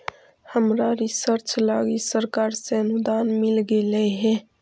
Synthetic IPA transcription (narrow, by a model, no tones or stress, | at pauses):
həmɾaɾisəɾt͡ʃla̰ɡisəɾkaɾseənud̪anmilɡelɛɦɛ̃